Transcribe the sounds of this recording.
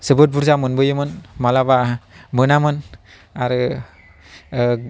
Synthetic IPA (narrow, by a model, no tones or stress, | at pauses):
sɯbɯt̚buɾzamɯnbɯjɯmɯnmalabamɯnamɯn | aɾɯ